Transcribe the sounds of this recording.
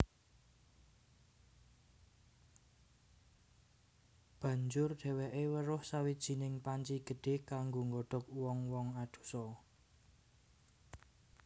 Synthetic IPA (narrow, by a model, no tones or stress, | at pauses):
b̥ä̤ɲd͡ʒʊrɖ̥ɛ̤weʔewəɾʊhsawid̥ʒ̥i̤nɪŋpaɲt͡ʃiɡ̥ə̤ɖ̥e̤hkaŋɡoŋɡɔɖ̥ɔ̤k̚wɔŋwɔŋad̪̥ṳ̥sɔ